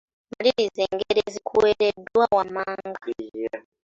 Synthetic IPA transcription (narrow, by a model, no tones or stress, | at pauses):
maliɾizeːŋɡeɾezikʰuweɾedwawamaːŋɡa